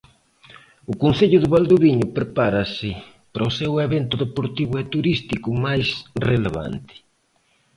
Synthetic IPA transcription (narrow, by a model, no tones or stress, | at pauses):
ʊkonθeʎʊðɪβald̪uβiɲʊpɾepaɾasɪ | paɾaoseweβent̪ʊðepoɾt̪iβʊɛt̪uɾist̪ikʊmajsreleβa̰nt̪ɪ̥